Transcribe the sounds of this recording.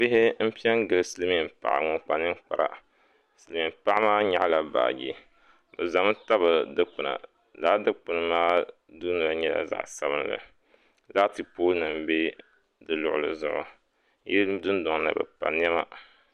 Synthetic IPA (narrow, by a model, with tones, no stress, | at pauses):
bɪ˦ɦɪ˦m̩˦pi˦ɛ˦nɡɨ˨lɨ˦sɨ˦lɨ˦mi˨mpa̰˨ʔa̰˨ŋɔ˨k͡pa˨nɨ˦mk͡pa˨ɾa̰˨ | sɨ˨lmi˨mpa˦ʔa˦maː˦ɲa˨ʔla˨ba̰ː˨ɡḭ˦ | bɨ˨za˨m˦ta˦bɨ˨dɨ˦k͡pɨ˨na̰˨ | laː˦dɨ˦k͡pɨ˨nɨ˨maː˦ | duː˦nɨ˨la˨ɲɛ˦la̰˦za̰˨ʔsa˦bɨ˦n˦˨lɨ̰˨ | la˦tɨ˨poː˦nɨ˨mbe˦ | dɨ˨lʊ˨ʔʊ˨lɨ˨zʊ˦ʔʊ̰˨ | ji˦dʊ˦ndɔ˨ŋ˦la̰˨bɨ̰˨pa̰˨n˦ɛ˦ma̰˦